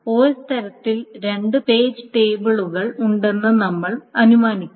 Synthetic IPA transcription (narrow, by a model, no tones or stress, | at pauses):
oːst̪ʰɐɾɐt̪ːilɾe̞ɳɖɨpe̞ːd͡ʑɨʈe̞ːbɨɭuɣɐɭuɳɖe̞nːɐnɐmːɐɭɐnumaːnikʲː